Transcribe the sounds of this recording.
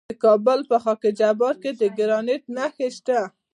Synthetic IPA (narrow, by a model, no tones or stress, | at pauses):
əkɑbəlpəxɑkɪd͡ʒabɑɾked̪əɡɪɾɑnet̪naxeʃt̪a